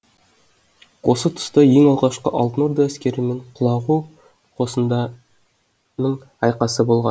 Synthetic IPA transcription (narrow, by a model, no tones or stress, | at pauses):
wo̞sət̪ʰʊ̥st̪əje̞ŋɑlˠʁɑʃqəʔɑlˠt̪ənoɾd̪ɑæskʲe̞ɾɪme̞ɴqʰʊlˠɑʁu | qʰo̞sənd̪ɑ | nəɴ | ɑjqɑsəbo̞lˠʁɑn